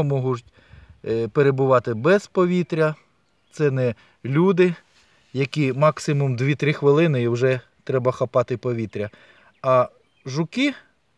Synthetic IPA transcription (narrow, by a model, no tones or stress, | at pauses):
ɔmɔɦʊtʲ | peɾebʊʋɑt̪ɪbɛzpɔʋʲit̪ɾʲɐ | t̪sɛnɛ | lʲud̪ɪ | jɐkʲimɑksɪmʊmd̪ʋʲit̪ɾɪxʋɪlˠɪnɪiwʒɛ | t̪ɾɛbɐxɐpɑt̪ɪpɔʋʲit̪ɾʲɐ | ɐ | ʒʊkɪ